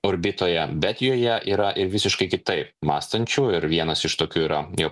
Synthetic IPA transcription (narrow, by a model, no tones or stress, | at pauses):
ʊɾʲbʲɪt̪oːjɛbʲɛt̪joːjɛʔiːɾɐʔɪɾʋʲɪsʲɪʃkɐɪkʲɪt̪ɐɪp̚mɑːst̪ɐnʲt͡ʃʲuːɪɾʋʲiɛnɐsɪʃt̪oːkʲuːiːɾɐjoː